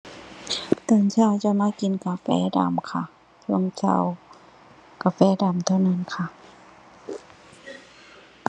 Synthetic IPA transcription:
t̪ɯː˧˩ŋt͡ɕʰaː˧˨wt͡ɕa˧˩maː˧˥˩ki˨nka˨˧fɛ̰ː˧˥˦da̰ː˨˦mkʰa˧ | pʰɯ˧˨əŋt͡ɕʰa̰˧˨w | ka˨˧fɛː˧˦da˨˩mt̪ʰaː˧˩˨wna˧˨nkʰa˧˩

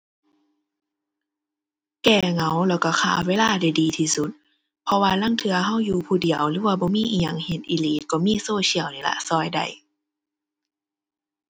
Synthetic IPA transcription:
kɛː˧ŋa˨˦wlɛː˧˩wka˧˩kʰa̰ː˧˩weː˧˨laː˧˨da˧˩jdiː˨t̪ʰiː˧su˧˦t̪̚ | pʰɔ˧waː˧la˧˥˨ŋt̪ʰɯ˧ɐɦa˧˥˨wjuː˧pʰuː˧˩di˨˩˦əwlɯː˧˦waː˧bɔː˧˦miː˧˥˨ʔiː˧˨ja˨˩˨ŋhe˧˦t̪̚ʔiː˧liː˦t̪̚kɔː˧˦miː˧˥˨soː˧˨ɕi˧˩əwniː˧˩la̰˧sɔː˧˩jda̰˧˩j

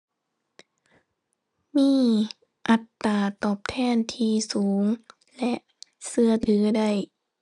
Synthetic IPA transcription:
miː˧˥˨ | ʔa˨˩t̪ːaː˧˩t̪ɔː˨˩p̚t̪ʰɛː˧˥˩nt̪ʰiː˧suː˩˦ŋ | lɛ˧˥ʔ | sɯ˧ɐt̪ʰɯː˩˦da˥˩j

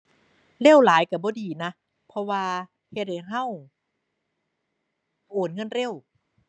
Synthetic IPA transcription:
le˧˥˩wlaː˨˩˦jka˧˩bɔː˧˦diː˨˩na˦˥ | pʰɔ˧waː˧ | he˧˩t̚e˨˩ɦa˥˨w | ʔoː˨˩n̚ŋɤ˧˥˨nɾe˧˥˨w

